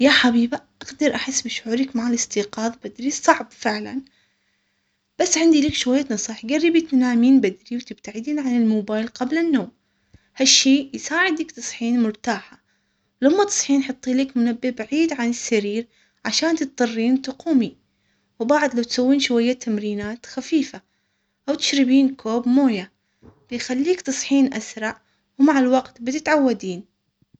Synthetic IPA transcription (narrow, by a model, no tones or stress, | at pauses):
jaħabiːbaʔaɡd̪ɑɾˤʔaħɪsːbɪʃʕuːɾikmaʕalɪst̪iːqɑːðˤbad̪ɾisˤɑʕbfɪʕla̰n | b̥asːʕɪnd̪iliːkʃʊwajːat̪nɑsˤiːħɡarːibit̪naːmiːnbɪd̪ɾiwt̪ɪb̚t̪aʕɪd̪iːnʕanɪlmoːbaːjlqablanːoːm | haʃːeːjsaːʕɪd̪lakt̪ɑsˤħiːnmʊɾt̪aːħa | lamːat̪ɑ̥sˤħiːnħɨt̪ˤːiːliːkmʊnabːɪbaʕiːd̪ʕanɪsːaɾiːɾ | ʕaʃaːnt̪ɪt̪̚t̪ˤɑrˤːiːnt̪ʊquːmi | wbaʕd̪lawt̪sawːiːnʃʊwajːat̪ʰamɾiːnaːt̪xafiːfa | ʔawt̪ɪ̥ʃɾɪbiːnkʰoːbmoːja | b̥ɪjxalːiːkt̪ɑsˤħiːnʔasɾˤɑʕ | wmaʕalwaɡt̪bɪt̪ɪt̪ʕawːad̪iːn